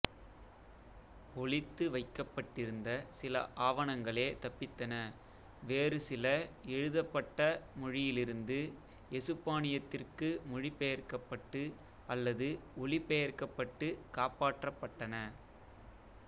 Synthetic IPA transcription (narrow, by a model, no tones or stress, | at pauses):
ɔɭɪt̪ːɯʋɐɪkːɐpːɐʈːɪɾɯnd̪ɐsɪlɐ̰ʔaːʋɐɳɐŋɡɐɭeːt̪ɐpːɪt̪ːɐnɐ | ʋeːrɯsɪlɐɛɻɯðɐpːɐʈːɐmɔɻɪjɪlɪɾɯnd̪ɯ | ɛsɯpːaːɳɪjɐt̪ːɪrkɯmʊɻɪpɛjɐrkɐpːɐʈːɯ | ʔɐlːɐðɯɔɭɪpːɛjɐɾkɐpːɐʈːɯkaːpaːʈrɐpːɐʈːɐnɐ